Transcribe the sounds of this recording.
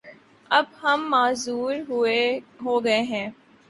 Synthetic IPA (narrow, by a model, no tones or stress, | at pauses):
ɐbhɐmːaːzuːɾɦʊeɦoːɡɐeɦɛ̃ː